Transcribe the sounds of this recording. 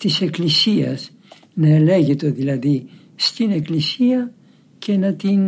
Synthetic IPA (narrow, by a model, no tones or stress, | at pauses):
t̪ise̞klisiɐ̰s | nɐele̞ʝet̪o̞ðilɐði | st̪ine̞klisiɐ | ce̞nɐt̪in